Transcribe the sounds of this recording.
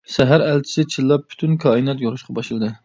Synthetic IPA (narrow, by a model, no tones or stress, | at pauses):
sæɦæɾælt͡ʃʰi̥sɪt͡ʃʰilˠːɑp̚ʰːy̥t̪ʰynkʰɑinjɛt̪joɾuʃqʰɑbɑʃɨlˠɨd̪ɨ